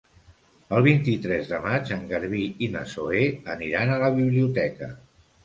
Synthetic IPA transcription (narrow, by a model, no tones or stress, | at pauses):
əlˠβ̞int̪it̪ɾɛzðəmad͡ʒəŋɡəɾβiinə̰soeəniɾanələβiβliut̪ɛkə̰